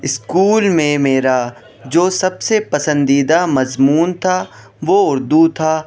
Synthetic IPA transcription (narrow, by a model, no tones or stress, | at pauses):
ɪskuːlmẽmeːɾa | d͡ʒoːsɐbsepɐsə̃nd̪iːd̪amɐzmuːnt̪ʰaː | ʋoʊɾd̪ut̪ʰaː